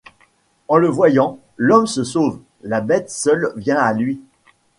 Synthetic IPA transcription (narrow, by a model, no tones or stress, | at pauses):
ɑ̃ləvwajɑ̃ | lɔmsəsov | labɛt̪sœlvjɛ̃alɥi